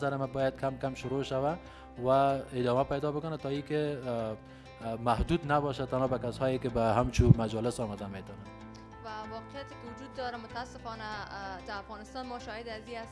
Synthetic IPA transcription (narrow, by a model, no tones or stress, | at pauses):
zaɾɪmabɔjad̪̚kʰamkamʃʊɾoʃawa | waɪd̪ɔmapajd̪ɔbʊkʊnat̪ɔikɪ | mahd̪ud̪nabɔʃat̪anɔbakashɔjɪkɪbaɦamt͡ʃumad͡ʒɔlɪsɔmad̪amet̪ɔna | wawɔqɪjat̪ɪkɪwʊd͡ʒud̪̚ːɔɾamʊt̪aasɪfɔnad̪aafɣɔnɪst̪ɔnmɔʃɔhɪd̪azias